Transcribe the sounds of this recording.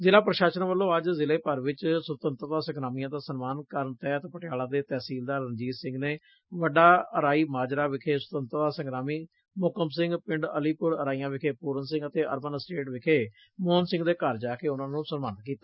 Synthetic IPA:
zɪlaːpɾəʃaːsənãːʋəlːõːəd͡ʒzɪleːpəɾʋɪt͡ʃsʊt̪ənt̪ɾd̪aːsəŋɡɾaːmijãːd̪aːsənmaːnkəɾəɳt̪ɛːt̪pəʈɪjaːlãːd̪eːt̪ɛːsiːld̪aːɾənd͡ʒiːzsɪ̃ŋɡneː | ʋəɖaːəɾaːiːmaːd͡ʒɾaːʋɪkʰeːsʊ̥t̪ənt̪ɾd̪aːsəŋɡɾaːmiː | mʊkəmsɪ̃ŋɡpɪ̃ɳɖəliːpʊɾəɾaːijãːʋɪkʰeːpuːɾənsɪ̃ŋɡət̪eːʔə̰ɾmənsʈeːʈʋɪkʰeː | mʊːənsɪ̃ŋɡd̪eːkəɾd͡ʒaːkeːʊnãːnũːsənmaːnk̬iːt̪aː

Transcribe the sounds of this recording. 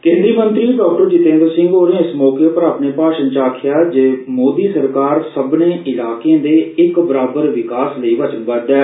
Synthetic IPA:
kẽːnd̪ɾiːmənt̪ɾiːɖɔːk̚ʈəɾd͡ʒɪt̪ẽːnd̪əɾsɪ̃ŋɡɦoːɾẽːɪsmɔːkeːpəɾaːpneːpaːʃənt͡ʃaːkʰɪjaːd͡ʒeːmoːd̪iːsəɾkaːɾsəbnẽːʔɪlaːkeẽːd̪eːɪkbəɾaːbəɾʋɪkaːsləiːʋət͡ʃənbəd̪ɛː

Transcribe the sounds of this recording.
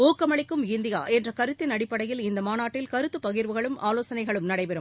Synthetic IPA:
oːkːɐmɐɭɪkːɯmɪnd̪ɪja̰ːʔɛndrɐkɐɾɯt̪ːɪnɐɽɪpːɐɽɐjɪlɪnd̪ɐmaːnaːʈːɪlkɐɾɯt̪ːɯpɐɣɪɾʋɯɣɐɭɯmʔaːloːsɐnɐɪɣɐɭɯmnɐɽɐɪpɛɾɯm

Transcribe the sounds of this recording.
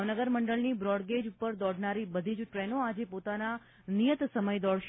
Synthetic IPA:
ʋnəɡəɾməɳɖəɭnibɾɔɽɡed͡ʒupəɾd̪ɔɽʱnaɾibəd̪ʱid͡ʒʈɾɛnoad͡ʒepot̪ana | nijət̪səməjd̪ɔɽʃ

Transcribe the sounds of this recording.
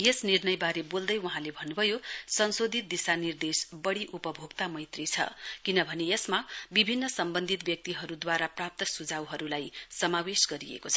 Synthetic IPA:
jesnirnʌjbaɾebold̪ʌjwuɦãlebʱʌnːubʱʌjosʌnsod̪ʱit̪̚d̪isanird̪esbʌɽiʔupʌbʱoɡt̪amʌjt̪rit͡sʰʌ̰kinʌbʱʌnejesmabibʱinːʌsʌmbʌnd̪ʱit̪̚bjʌk̚t̪iɦʌɾud̪waɾaprap̚t̪ʌsud͡zʱawɦʌɾulajsʌmawesɡʌɾiḛkot͡sʰʌ

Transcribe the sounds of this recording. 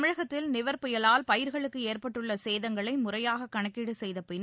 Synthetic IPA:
mɻɐɣɐt̪ːɪlnɪʋɐɾpɪjɐlaːlpɐjɪɾɣɐɭɯkːɯeːrpɐʈːɯɭːɐseːðɐŋɡɐɭɐɪmʊrɐjaːɣɐkːɐɳɐkːiɽɯsɛjðɐpɪn

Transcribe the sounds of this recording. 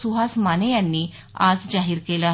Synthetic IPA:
suɦasmanejanːiː | a̰d͡zd͡zaɦiːɾkela

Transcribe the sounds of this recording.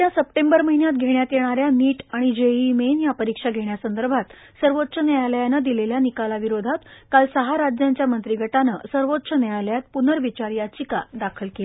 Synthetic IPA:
t̪jasəpʈẽmbəɾməɦinjat̪̚ɡʱeɽjat̪jeɽ̃aɾjaniːʈaɽ̃id͡ʑeimenjapəɾikʂaɡʱeɳjasənd̪əɾbʱat̪ | səɾʋot̪ːɕənəjaləjanəd̪ileljanikalaʋiɾod̪ʱat̪kalsəɦaɾad͡ʑjaɲt͡ɕjamənt̪ɾiɡʱəʈanə̰səɾʋot̪ːɕənəjaljat̪̚punəɾʋit͡ɕaɾjat͡ɕika̰d̪akʰəlke

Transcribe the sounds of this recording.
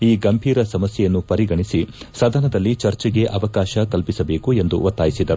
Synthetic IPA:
iːɡɐmbʱiːɾɐsɐmɐsjɛjɐnːupɐɾiɡɐɳisisɐd̪ʱɐnɐd̪ɐlːit͡ʃɐɾt͡ʃɛɡeʔɐʋɐkaːʃɐkɐlpisɐbe̞ːkue̞nd̪ṵʋɐt̪ːaːjisid̪ɐɾu

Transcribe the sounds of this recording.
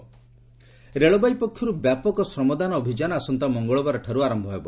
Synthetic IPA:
ɾeɭɔbajpɔkʰːjɔɾubjapɔkɔsɾɔmɔd̪anɔːbʱid͡ʒanɔasɔnt̪amɔŋɡɔɭɔbaɾɔʈʰəɾuaɾɔmbʱɔɦebɔ

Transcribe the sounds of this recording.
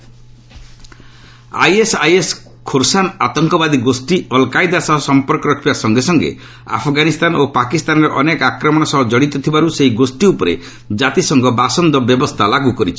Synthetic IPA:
a̰jesajes | kʰoɾsanat̪ɔŋkɔbad̪iɡosʈiɔlkajd̪asɔɦɔsɔmpɔɾkɔɾɔkʰibasɔŋɡesɔŋɡḛ | a̰pʰɔɡanist̪anopakist̪anɔɾɔʔɔnekakɾɔmɔɽ̃ɔsɔɦɔd͡ʒɔɽ̃it̪ɔt̪ʰibaɾuseɦiɡosʈiupɔɾḛ | d͡ʒat̪isɔŋɡɔbasɔnd̪ɔbjɔbɔst̪ʰalaɡukɔɾit͡ʃʰi̥

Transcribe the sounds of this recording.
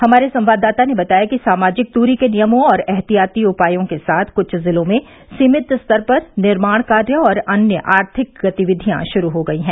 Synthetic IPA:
hɐmaːɾesɐ̃mʋaːd̪ːaːt̪anebɐt̪aːjakisaːmaːd͡ʒɪk̚t̪uːɾikenijəmõɔːɾɛɦt̪ijaːt̪iʊpaːjõkesaːt̪ʰkʊt͡ʃʰzɪlõmẽ | siːmɪt̪st̪ɐɾpɐɾnɪɾmaːɽ̃kaːɾjəɔːɾɐnjəʔaːɾt̪ʰɪk̚ɡɐt̪ɪʋɪd̪ʱijã̰ʃʊɾuɦoɡɐiɦɛ̃ː

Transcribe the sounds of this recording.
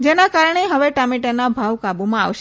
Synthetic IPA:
d͡ʒenakaɾəɳ̃eɦəʋeʈamiʈənabʱaʋkabumãa̰ʋʃe

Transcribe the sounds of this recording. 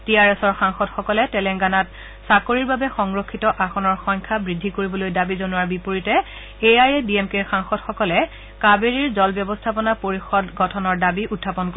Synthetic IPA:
tiaɹɛsɔɹxaŋxɔtxɔkɔlɛtɛlɛŋɡanat | sakoɹiɹbabɛxɔŋɹokʰːitɔʔaxɔnɔɹxɔɲkʰabɹidʱːikoɹibɔlojdabizonʊaɹbipoɹitɛ | eajediemkeɹxaŋxɔtxɔkɔlɛ | kabeɹiɹzɔlbjɔbɔstʰapɔnapoɹixɔdɡɔtʰɔnɔɹdabiutʰːapɔnkɔ

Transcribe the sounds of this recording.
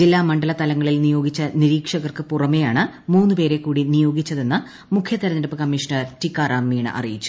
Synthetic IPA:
d͡ʑilːaːmɐɳɖɐlɐt̪ɐlɐŋːɐɭilnijo̞ːɡit͡ɕːɐniɾiːkʂɐɣɐrkɨpurɐme̞jaːɳɨmuːnːɨpe̞ːɾe̞kːuːɽinijo̞ːɡit͡ɕːɐðe̞nːɐ | mukʰjɐt̪ɐɾɐnɐɾɐpːɨkɐmːiʂnɐrtikːaːraːmːiːɳɨ̰ʔɐ̰rijit͡ɕːu̥

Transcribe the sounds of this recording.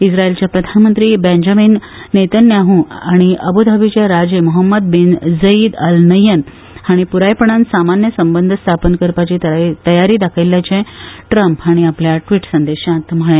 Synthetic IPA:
isɾaelt͡ɕjapɾəd̪ʱanmənt̪ɾiːbẽɲd͡ʑaminː | et̪ənjaɦũaɽ̃iəbud̪ʱabit͡ɕaɾad͡ʑemɔɦəmːəd̪̚bind͡zəiːd̪əlnəjːən | haɽ̃ipuɾajpəɳ̃ansamanjəsəmbənd̪ʱəst̪ʰapənkəɾpat͡ɕiːt̪t̪əjaɾiːd̪akʰəjlːjat͡ɕɛ̃ʈɾəmpɦaɽ̃iapljaʈʋiːʈsənd̪eɕãt̪m̤əɭẽ

